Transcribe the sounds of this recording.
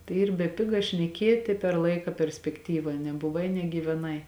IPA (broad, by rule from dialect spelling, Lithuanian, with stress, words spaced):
tɐɪ ˈiːr bʲɛˈpʲɪɡɐ ʃʲnʲɛˈkʲiɛtʲɪ pʲɛr ˈlˠɐɪkɐ pʲɛrʲsʲpʲɛkˈtʲiːʋɐ nʲɛbʊˈʋɐɪ nʲɛɡʲiːʋʲɛˈnɐɪ